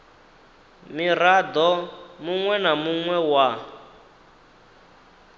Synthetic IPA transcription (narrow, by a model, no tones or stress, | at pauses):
mirad̪ɔmuŋwɛnamuŋwɛwa